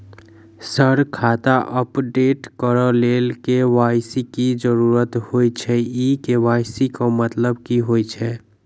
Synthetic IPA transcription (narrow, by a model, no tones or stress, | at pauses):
səɾkʰaːt̪aʔəpɖeːʈkəɾəleːlkeʋaːjsikid͡ʒəɾuːɾət̪hoit͡ʃʰɛikeʋaːjsikamət̪ləbkiɦoːit͡ʃʰɛ